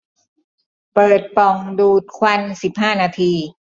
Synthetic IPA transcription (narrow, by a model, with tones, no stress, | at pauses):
pɤː˨˩t̪̚pɔ˨˩ŋduː˨˩t̪̚kʰwa˧nsi˨˩p̚ɦaː˥˩naː˧t̪ʰiː˧